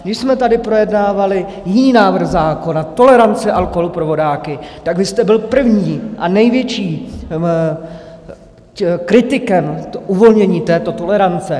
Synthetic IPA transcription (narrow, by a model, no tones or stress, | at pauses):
ɡdɪʃsmɛt̪adɪpɾo̞jɛdnaːvalɪ | jɪniːnaːvr̩xzaːko̞nat̪o̞lɛɾant͡sɛʔalkoɦolupɾovo̞daːkɪt̪aɡvɪst̪ɛbɪlpr̩vɲiːʔanɛjvjɛt͡ʃiː | kɾɪt̪ɪkɛmʔuvo̞lɲɛɲiːt̪ɛːt̪o̞t̪o̞lɛɾant͡sɛ